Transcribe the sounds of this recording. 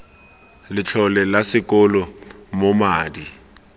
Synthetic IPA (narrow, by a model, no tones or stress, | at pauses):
lɪt͡ɬʰɔlɛlasɪkʼɔlɔmomaːdi